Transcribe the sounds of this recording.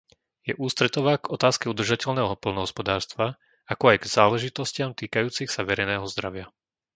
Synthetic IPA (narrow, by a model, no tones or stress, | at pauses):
jɛʔuːst̪ɾɛt̪ɔʋaːɡɔt̪aːskɛud̪r̩ʒacɛʎnɛːɦɔɦɔpɔlnɔɦɔspɔd̪aːɾst̪ʋa | akɔajɡz̥aːlɛʒit̪ɔscɪamt̪iːkajuːt͡sixsaʋɛɾɛjnɛːɔɦɔzd̪ɾaʋɪa